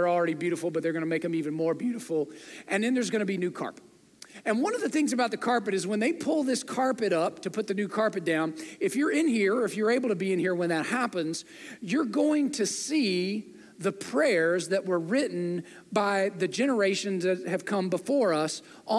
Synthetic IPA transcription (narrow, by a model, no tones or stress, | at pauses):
ə˞l̩ˠɹɛɾibjʉɾəfl̩ˠbʌt̪̚ðə˞ɡʌnɨmeɪkɨ̃mivɨ̃nmɔɹbjʉɾəfl̩ˠʔɨ̃nðɨ̃nðə˞zɡʌñɨbinʉkʰɑ̰ɹpɨt̚ | ɨ̃nwʌ̃nʌvðɨθɪ̃ŋzɨbaʊt̪̚ðɨkʰɑɹpɨɾɨzwə̃nðeɪpʰʊlˠðɪskʰɑɹpɨɾʌp̚tʰɨpʰʊt̪̚ðɨnʉkʰɑɹpɨt̚d̥ãʊ̃nɨfjə˞ɪ̃nhiɹɨfjə˞eɪbl̩ˠtʰɨbiɨ̃nhiɹwə̃nðɨt̚hæpɨ̃nz̥ | jə˞ɡoʊɪ̃ŋtʰɨsi | ðəpʰɹ̥ɛɹzðɨʔ̚wə˞ɹɪʔn̩ | baɪðɨd͡ʒɛnə˞eɪʃɨ̃nzðɨt̚ɨv̥kʰʌ̃mbəfɔɹʌs | ʔ